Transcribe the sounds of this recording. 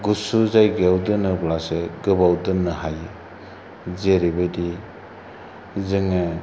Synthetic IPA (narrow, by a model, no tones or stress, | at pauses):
ɡusuzajɡawdɯnɯblaseɡɯbawdɯnːɯɦajɯ | zeɾibajdi | zɯŋɯ